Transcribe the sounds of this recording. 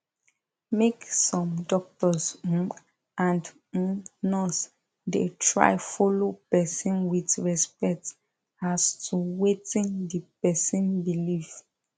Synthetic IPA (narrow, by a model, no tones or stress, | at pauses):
meksɔ̃mdɔk̚tɔsũ | ʔãnd̩ | nɔs | detʰɹa̰ɪfɔlopɛsɔ̃nwitɹɛspɛk̚t | astʰuwetĩndipɛsĩnbilif